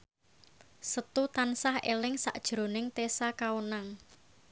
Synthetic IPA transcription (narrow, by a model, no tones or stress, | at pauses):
sət̪ut̪ansahelɪŋsa̰ʔd̥ʒ̥ɾo̤nɪŋt̪esakaunaŋ